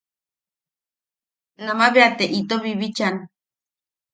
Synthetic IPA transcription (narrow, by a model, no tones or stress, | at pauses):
namaβeat̪eʔit̪oβiβit͡ʃan